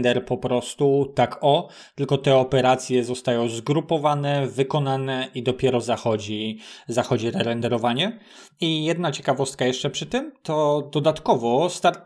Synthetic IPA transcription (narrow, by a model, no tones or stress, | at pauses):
nd̪ɛɾpɔpɾɔst̪ut̪akʰɔ | t̪ɘlkɔt̪ɛɔpɛɾat̪sʲjɛzɔst̪ajɔ̃w̃zɡɾupɔvanɛvɘkɔnanɛʔid̪ɔpʲjɛɾɔzaxɔd͡ʑizaxɔd͡ʑiɾɛɾɛnd̪ɛɾɔvaɲɛ | ijɛd̪nat͡ɕɛkavɔst̪̚kajɛʂt͡ʂɛpʂɘt̪ɘmt̪ɔd̪ɔd̪at̪kɔvɔst̪aɾ